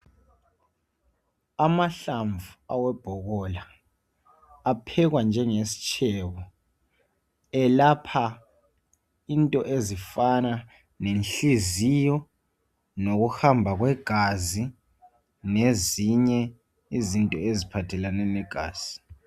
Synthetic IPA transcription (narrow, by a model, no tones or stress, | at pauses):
amaɬaɱvua̰wɛb̥ʱɔkɔla | pʰɛk̬wand͡ʒʱɛŋesi̥t͡ʃʰɛwɔ | ɛlapʰa | intʼɔʔezifana | nenɬizijɔ | nok̬uhambʱak̬wɛɡ̥ʱazi | neziɲɛ | izintʼɔezipʰatʰɛlanɛnɛɡ̥ʱaːz̥i